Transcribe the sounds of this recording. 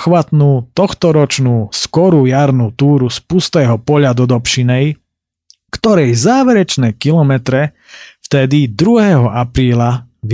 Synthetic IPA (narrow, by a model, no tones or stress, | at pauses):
xʋat̪nuːt̪ɔxt̪ɔɾɔt͡ʃnuːskɔɾuːjaɾnuːt̪uːɾuspust̪ɛːɦɔpɔʎad̪ɔd̪ɔpʃinɛj | kt̪ɔɾɛjzaːʋɛɾɛt͡ʃnɛkilɔmɛt̪ɾɛ | ft̪ɛd̪id̪ɾuɦɛɦɔʔapɾiːlaʋ